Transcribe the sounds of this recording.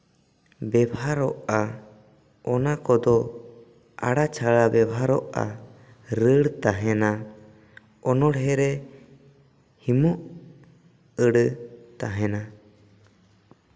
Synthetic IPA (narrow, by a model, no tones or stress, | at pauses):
bɛbʱaɾɔʔa | ɔnakɔd̪ɔ | a̰ɽat͡ʃʰaɭabɛbʱaɾɔʔa̰ | ɾəɽt̪aɦɛna | ɔnɔɽɦɛɾɛ | himɔʔ | əɽət̪aɦɛna